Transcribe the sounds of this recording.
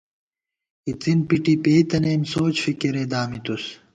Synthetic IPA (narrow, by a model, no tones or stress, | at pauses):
it͡s̪inpiʈipeːt̪ɐneːmsoːt͡ɕfikiɾed̪aːmit̪us